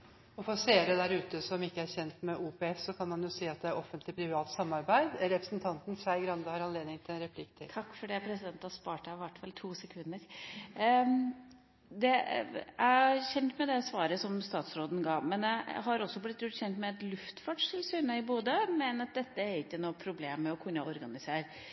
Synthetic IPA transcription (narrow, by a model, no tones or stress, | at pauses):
ɔfɔɾɔseːɾəd̪æɾʉːt̪əsɔmɪkːəæɾçɛnt̪mɛʔuːpɛɛfːɔkʰɑnmɑnjʊsiːɑt̪̚d̪ɛæɾɔfənt̪lɪpʰɾɪʋɑːt̪sɑmːɑɾbæɪd̪ɾɛpɾəsn̩t̪ʰɑnt̪n̩sæɪɡɾɑnd̪əhɑɾɑnleːd̪nɪŋt̪ʰɪlɛnɾɛpʰlɪkt̪ʰɪ̰t̪ʰɑkːfɔɖiːpʰɾɛsɪd̪ɛnt̪ɑspɑːʈɑɪʋæʈːfɑlt̪ʰuːsɛkʰʉnːəɾ | d̪ɛæɪɑçɛnt̪mɛd̪ɛsʋɑːɾəsɔmst̪ɑːt̪sɾoːd̪n̩ɡɑːmɛnjæɦɑɾɔsːɔblɪt̪ːʉt̪ːçɛnt̪mɛɛt̪lʉft̪fɑʈʂɪlsyːnəɪbuːd̪əmɛnɑt̪̚d̪ɛt̪ːəɛɾɪkːənɔːpʰɾʊbleːmːɛɔkʰʉnjæɔɾɡɑnɪseːɾ